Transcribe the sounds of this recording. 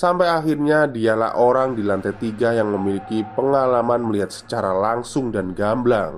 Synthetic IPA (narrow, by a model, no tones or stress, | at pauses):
sampajaxirɲadiala̰hʔoɾaŋdilant̪ɛt̪iɡajaŋməmilikipəŋalamanməliɦat̪̚sə̥t͡ʃaɾalaŋsʊŋdanɡamblaŋ